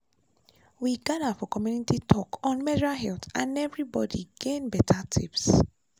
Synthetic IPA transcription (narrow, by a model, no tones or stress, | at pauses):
wiɡadafɔkɔmjunititʰɔkɔ̃nmɛdiɾalɦɛlθãnɛvɹibɔdḭɡ̥ẽnbɛtʰatʰḭps